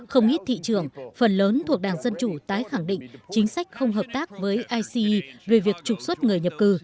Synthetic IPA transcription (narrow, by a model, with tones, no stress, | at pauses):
xə˧wŋ͡mʔi˦˥t̚t̪ʰḭ˧˨t͡ɕɨ˧˩əŋfə˨˩nləː˨˦nt̪ʰu˨˩ək̚ɗaː˨˩ŋzə˧nt͡ɕu˧˩t̪aː˨˦jxa˧˩ŋɗḭ̈˧˨ŋ̟t͡ɕï˨˦ŋ̟sa˦˥jk̟̚xə˧wŋ͡mɦəː˨˩p̚t̪aː˦˥k̚vəː˨˦jʔaː˧jsi˧i˧ve˨˩vi˨˩ək̚t͡ɕʊ˨˩k̚swə˦˥t̚ŋɨ˨˩əjɲə˨˩p̚kɨ˨˧˩